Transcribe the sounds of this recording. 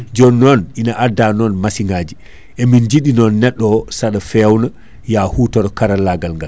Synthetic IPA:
d͡ʒɔnːɔnʔinaʔadanɔnmasiŋɡad͡ʒi | ʔɛmind͡ʒiɗinɔnːɛɗːɔsaɗafɛwna | jahutɔɾɔkaɾalaɡalŋɡal

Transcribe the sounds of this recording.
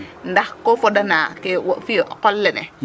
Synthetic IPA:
ndahkɔfɔɗanakɛwɔfiʔkɔlːɛnɛ̰

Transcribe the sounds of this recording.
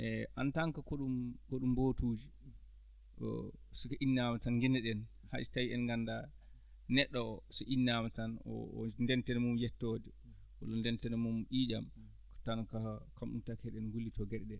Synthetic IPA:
ʔɛʔantaŋkakoɗumkoɗumbotuːd͡ʒi | ɔ̰sɔkaʔinːamatanŋɡɛnɛɗɛn | ha̰tawiɛnŋɡanːda | nɛɗːɔɔsɔʔinːamatanɔ̰ndɛntɛnɛmumjɛtːoːdɛ | wa̰lɔndɛntɛnɛmumʔiːd͡ʒam | ktankakamɗumtakɛɗɛnɡulːitʰɔɡɛɗɗɛ

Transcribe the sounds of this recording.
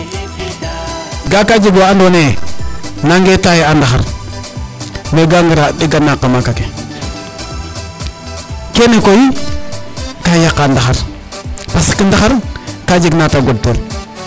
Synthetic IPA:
ɡakad͡ʒiɡwaandone | naŋɡetajiandaxaɾ | meɡaŋɡiɾadiɡanakamakake | kenekoji | kajakːandaxaɾ | pasi̥kindaxaɾkad͡ʒiɡnataɡodtol

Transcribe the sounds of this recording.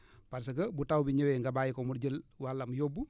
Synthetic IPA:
paɾs̬əkəbutawbiɲəweŋɡabajikɔmuɾɟəlwalːamujobu

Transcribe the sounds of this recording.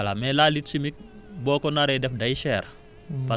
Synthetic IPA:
ɐla̰mɛlalitsimik̚ | bɔːkɔnaɾɛdɛfdɐjʃɛːɾ | pa

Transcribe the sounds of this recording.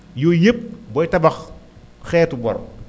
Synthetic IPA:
jujep̚bɔjtɐbɐx | xɛːtubɔɾ

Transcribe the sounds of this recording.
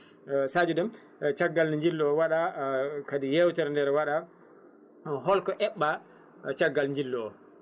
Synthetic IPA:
sad͡ʒudɛm | t͡ʃaɡːalnɲd͡ʒilːɔɔwaɗakadijewtɛɾndɛɾwaɗa | ɦɔlkɔʔɛɓːa | t͡ʃaɡːalɲd͡ʒilːɔɔ

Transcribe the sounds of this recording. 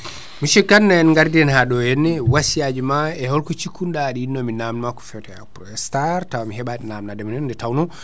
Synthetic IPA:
miʃɛkːanːaɛnŋɡaɾdiɛnhaɗɔjɛnːɛwasijad͡ʒimaɛhɔlkut͡ʃikʰːundaɗiinːɔminamnmakɔ̥fɛwtɛa̰pɾɔɛstaɾtawamiɦɛɓaɗɛnaːmnadɛmanɛndɛtawnɔ

